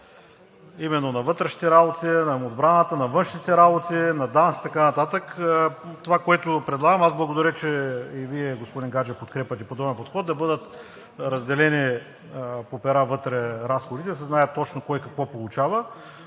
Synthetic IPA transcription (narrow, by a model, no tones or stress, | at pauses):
imɛnːonɐvɤt̪ɾɛʃni̥t̪ɛɾabot̪inɐod̪bɾanət̪ənɐvɤnʃnit̪ɛɾabot̪inɐd̪ansi̥t̪ɐkanɐt̪at̪əkt̪ovakoɛt̪ʊpɾɛd̪lˠaɡəmazblˠɐɡod̪ɐɾʲət͡ʃɛiviɛɡospod̪inɡad͡ʒɛpot̪kɾɛpɐt̪ɛpod̪ɔbɛnpot̪xɔd̪̚d̪ɐbɤd̪ət̪ | ɾɐzd̪ɛlɛni | popɛɾavɤt̪ɾɛɾasxod̪it̪ɛsɛznaɛtt̪ːɔt͡ʃnokɔjkɐkvɔpolˠut͡ʃavə